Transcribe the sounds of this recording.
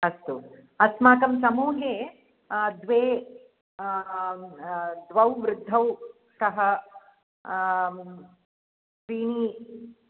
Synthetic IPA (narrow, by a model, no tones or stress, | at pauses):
ɐst̪u | ɐsmaːkɐmsɐmuːɦeː | d̪ʋeː | d̪ʋɐwʋɾʊd̪ʱːɐw | kɐɦɐ | pɾiːɳiː